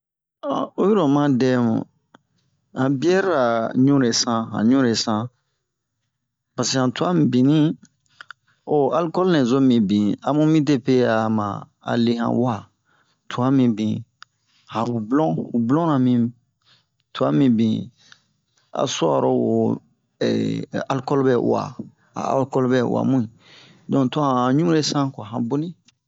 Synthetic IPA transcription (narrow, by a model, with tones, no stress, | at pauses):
ã˨o˦ji˦ɾɔ̃˨mã˦dɛ˦mṵ̃˨ | ã˨bi˦ɛ˦ɾɾa˨ɲũ˦ɾe˨sã˦ɦã̰˨ɲũ˦ɾe˨sã˦ | pa˨se˨ã˨tu˨a˦mĩ˦bi˨nĩ˦ | o˨a˦lkɔ˦lnɛ̃˨zo˦mĩ˨bĩ˨ã˦mũ˦mĩ˦t̬e˦pe˦a˨ma̰˨ | a̰˨le˦hã̰˨wa˦ | tʰu˨a˦mĩ˨bĩ˨ | hã˨u˨blɔ̃˦u˨blɔ̃˦nã˨mĩ˦ | tu˨a˦mĩ˨bĩ˨ | a̰˨so˦a̰˨ɾɔ˦wo˨ | ɛ̰˨a˦lkɔ˦lɔ˦bɛ˦wa̰˨ | a̰˨a̰˦lkɔ˦lɔ˦bɛ˦wa̰˨mũ˦i˨ | dɔ̃˨tu˨˦a˦hã˨ɲũ˦ũ˦ɾe˦sã˦kɔ˨ɦã˨bo˦nĩ˦